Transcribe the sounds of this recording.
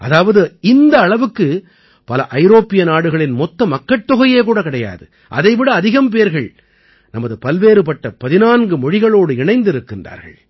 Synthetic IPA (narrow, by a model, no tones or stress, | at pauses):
ʔɐðaːʋɐðɯɪnd̪ɐːɭɐʋɯkːɯ | pɐlɐʔɐɪɾoːpːɪjɐnaːɽɯɣɐɭɪnmɔt̪ːɐmɐkːɐʈt̪ːɔɣɐjeːkuːɽɐkɪɽɐja̰ːðɯ̰ | ʔɐ̰ðɐɪʋɪɽɐːðɪɣɐmp̬eːɾɣɐɭ | nɐmɐðɯpɐlʋeːɾɯpɐʈːɐpɐðɪnaːnɡɯmɔɻɪɣɐɭoːɽɯɪɳɐɪnd̪ɪɾɯkːɪndra̰ːɾɣɐ̰ɭ